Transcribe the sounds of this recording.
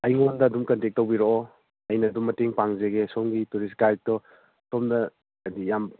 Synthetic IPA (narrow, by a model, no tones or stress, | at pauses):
ɐjŋondɐːdumkɐntek̚tːɐwbiɾoː | ɐjnɐdumːɐteŋpaŋzeɡesomɡituɾis̬kaj̚tɔ | somdɐ | dijam